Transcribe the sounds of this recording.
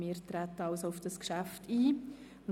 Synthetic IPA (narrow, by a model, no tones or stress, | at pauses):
mɪːɾtɾæt̪əɑʊsoʊfd̥ɑskʃæftʰiː | n